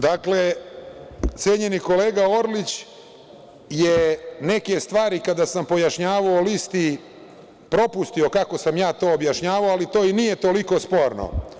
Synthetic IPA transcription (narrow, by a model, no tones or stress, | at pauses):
d̪akle | t̪seːɲe̞niko̞leːɡao̞ɾlit͡ɕ | jene̞ke̞st̪ʋaːɾikad̪asampo̞jaʃɲaːʋaolist̪i | pɾo̞pust̪io̞kako̞samjaːt̪o̞ːbjaʃɲaːʋaoalit̪o̞ːinijet̪o̞liko̞spo̞ːɾno̰